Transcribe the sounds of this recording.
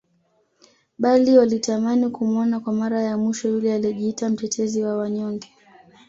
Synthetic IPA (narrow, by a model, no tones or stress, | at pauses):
ɓaliwalitamanikumɔnakwamaɾajamwiʃɔjulɛalɛʄiitam̩tɛtʰɛziwawaɲɔŋɡɛ